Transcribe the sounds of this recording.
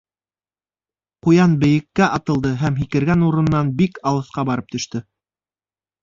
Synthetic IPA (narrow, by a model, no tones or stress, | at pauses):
qujɑnbɘ̆jɘ̆kːæʔɑt̪ɤ̆lˠd̪ɤɦæmɦikɘ̆ɾɡænuɾɤ̆nːɑnbikɑlˠɤ̆θqɑbɑɾɤp̚t̪ɵ̆ʃt̪ɵ